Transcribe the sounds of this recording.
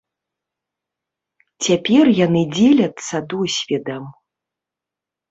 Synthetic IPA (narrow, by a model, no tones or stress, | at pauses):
t͡sʲapʲɛrjanɨd͡zʲelʲɐt̪sːɐd̪usʲvʲid̪ɐm